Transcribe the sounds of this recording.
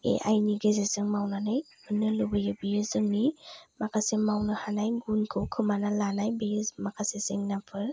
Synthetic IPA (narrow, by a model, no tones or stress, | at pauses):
ḛʔa̰jniɡezezɯŋmawnanɯj | ɯnɯlubɯjɯbijɯzɯŋnimakʰasemawnɯhanajɡunkʰɯwkʰɯmanalanajbijɯmakʰasezeŋnapʰɯɾ